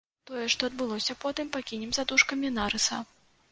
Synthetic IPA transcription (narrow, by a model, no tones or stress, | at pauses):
t̪ɔjɛʂt̪ɔɐd̪̚bɨlˠɔsʲɐpɔt̪ɨmpakʲinʲɛmzad̪uʂkɐmʲinaɾɨsɐ̰